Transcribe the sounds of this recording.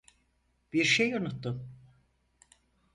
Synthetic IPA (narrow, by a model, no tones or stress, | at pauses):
b̥iɾʃejunut̪ːum